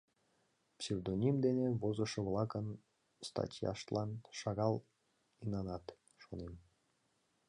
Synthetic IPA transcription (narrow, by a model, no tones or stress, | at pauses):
psʲewd̪onʲimd̪eneβozɤ̆ʃɤ̆βlˠɑkən | st̪ɑ̰tʲjɑ̰ʃt̪lˠɑnʃɑɣɑlˠ | inɑnɑt̪ | ʃonem